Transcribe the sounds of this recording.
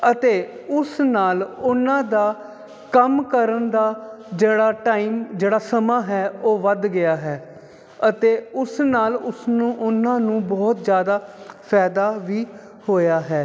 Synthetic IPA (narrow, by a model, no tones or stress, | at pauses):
ət̪eːʊsnaːlʊnːãːd̪aː | kəmkəɾənd̪aː | d͡ʒeːɽaːʈaːiːmd͡ʒeːɽaːsəmãːɦɛːoːʋəd̪ɡɪjaːɦɛː | ət̪eːʊsnaːlʊsnũːʔʊnãːnũːbɔːt̪zjaːd̪aːpʰɛːd̪aːʋiː | hoːjaːɦɛː